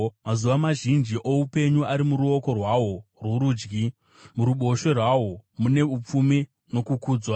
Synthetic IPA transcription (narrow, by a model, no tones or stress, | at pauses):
mazuʋamaʒind͡ʒiʔoupe̞ɲuaɾimuɾuo̞ko̞rwawo̞rwoɾuːd͡ʒɡi | muɾuɓo̞ʃe̞rwawo̞mune̞up͡fumi | no̞kukuːd͡zwa